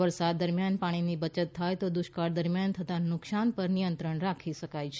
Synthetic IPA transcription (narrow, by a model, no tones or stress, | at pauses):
əɾsad̪ːəɾmjanpaɽ̃inibət͡ʃət̪ʰːajt̪od̪ʊʃkaɾd̪əɾmjant̪ʰət̪anʊksanpəɾnijənt̪ɾəɳɾakʰiʃəkajt͡ʃʰe